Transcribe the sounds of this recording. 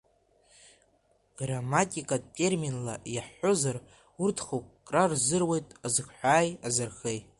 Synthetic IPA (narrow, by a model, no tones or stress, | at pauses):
ɡ̥ramatʲʼikʼatʼe̞rminlajaħozar | urtʰχokʼkʼrarzɨrwe̞jtʼazɨkʰʷħʷᶣaːjazarχej